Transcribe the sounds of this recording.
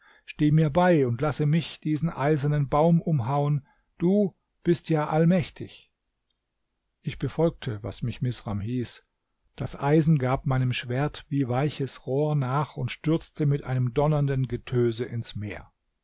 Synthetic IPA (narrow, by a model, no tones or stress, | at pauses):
ʃteːmiːɐbaɪʊntlasəmɪçd̥iːzn̩ʔa̰ɪzɐnənbaʊmʊmɦaʊən | d̥uː | b̥ɪstjaːʔalmɛçtʰɪ̰ç | ʔɪçb̥əfɔlk̚tʰəva̰smɪçmɪsʁamhiːs | d̥asʔaɪzn̩ɡaːp̚maɪnəmʃv̥eːɐtv̥iːvaɪçəsʁoːɐnaːχʊntʃtʏɐt͡stəmɪtʔaɪnəmdɔnɐndənɡətʰøːzəʔɪnsmḛːɐ